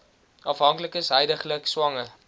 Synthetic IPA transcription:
ʔɐfɦɐŋkləkəsɦəjdəχləkswɐŋə

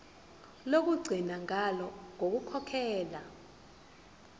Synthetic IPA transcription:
lok̬uɡ͡ǀʱinaŋalɔŋok̬ukʰɔkʰɛːla

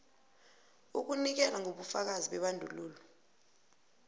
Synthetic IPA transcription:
uk̬unik̬ɛlaŋʱoɓufak̬aziɓɛɓandʱuluːlɔ

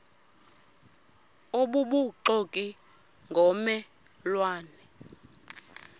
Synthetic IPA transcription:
oɓuɓuǃokʼi | ŋɡʱɔmɛ | lwaːnɛ

